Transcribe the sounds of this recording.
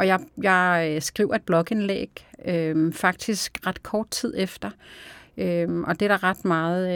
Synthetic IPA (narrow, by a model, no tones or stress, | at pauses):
ʔɒ̽jɑjɑ̈ɪsɡ̥ʁiʊ̰ɐe̝d̥̚b̥lɒ̽ɡ̥əe̝nlḛɡ̥ømfɑ̈ɡ̥̚d̥isɡ̥ʁɑd̥kʰɒːd̥̚t͡sʰið̞̰ˠefd̥ɐ | ømʔɒ̽d̥e̝ɾ̥ɑ̈ʁɑd̥mɑ̈ːð̩ˠ